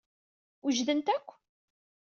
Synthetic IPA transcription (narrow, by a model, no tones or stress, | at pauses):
wəʒðənt̪ækʷː